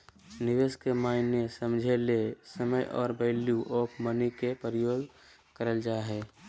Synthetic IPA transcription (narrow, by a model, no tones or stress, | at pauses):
nɪʋeːskemaːɪnjəsəmd͡ʒʱelesəməjʔɔ̰ːɾbəɪlijuʔoːkmənikepəɾɪjoːɡ | kəɾəld͡ʒaɦɛː